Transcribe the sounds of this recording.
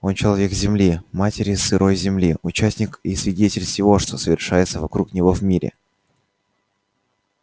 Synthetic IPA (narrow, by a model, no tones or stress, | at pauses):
o̞nt͡ɕɪlˠɐvʲe̞kzʲɪmlʲimatʲɪɾʲɪsɨɾʔo̞jzʲɪmlʲiʊt͡ɕæsʲnʲɪkisvʲɪdʲetʲɪlʲsʲɪvo̞ʂt̪o̞səvʲɪrʂajɪt̪səvɐkɾuknʲɪvo̞vmʲiɾʲɪ̰